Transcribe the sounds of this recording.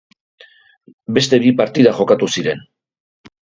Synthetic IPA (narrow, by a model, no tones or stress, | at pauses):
be̞st̪e̞βipaɾt̪iðaxo̞kat̪usiɾe̞n